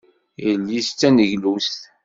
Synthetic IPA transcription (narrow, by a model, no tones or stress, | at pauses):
jəlːist͡sːænəʝlust